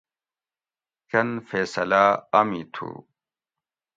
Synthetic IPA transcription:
kɐnfeːsɐlaːɐmit̪ʰṵ

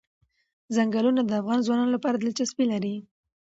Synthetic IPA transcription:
zaŋɡalunad̪əafɣɑnzwɑnɑnolapɑɾad̪əlt͡ʃaspilaɾi

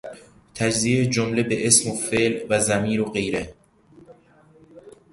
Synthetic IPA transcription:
t̪ʰæd͡ʒziːed͡ʒomlebeʔesmofeːlvæzæmiːɾoɢe̞jɾe

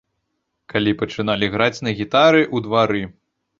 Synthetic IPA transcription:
kalʲipɐt͡ʂɨnalʲiɣɾat͡sʲnɐɣʲit̪aɾɨʔud̪vaɾɨ

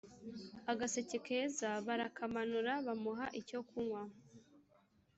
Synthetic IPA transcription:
aɡase̞cekezaβaɾakamanuɾaβamuɦaʔicokuŋwa

